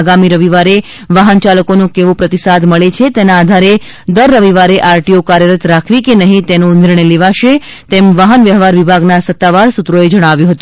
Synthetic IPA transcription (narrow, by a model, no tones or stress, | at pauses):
aɡamiɾəʋiʋaɾe | ʋaɦənt͡ʃaləkonũkeʋõpɾət̪isad̪məɭet͡ʃʰet̪enaːd̪ʱaɾe | d̪əɾːəʋiʋaɾeʔaɾʈiokaɾjəɾət̪ɾakʰʋikenəɦĩt̪enonɪɾɳəjleʋaʃe | t̪emʋaɦənʋjəɦʋaɾʋibʱaɡnasət̪ːaʋaɾsut̪ɾoed͡ʒəɽ̃aʋjũɦət̪ũ